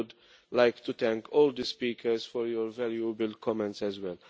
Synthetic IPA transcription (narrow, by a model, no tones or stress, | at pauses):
d̪ | lajkt̪ut̪ɛ̃ŋkʰɔːld̪əspiːkʰəɾsfɔɾjɔɾvɛljubəlkʰɔmɛ̃ntsɛzwɛl